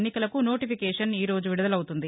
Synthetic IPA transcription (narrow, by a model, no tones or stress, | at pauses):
nːikɐlɐkuno̞ːʈipʰikɛːʂɐniːɾo̞ːd͡ʒuʋiɽɐd̪ɐlɐwut̪und̪i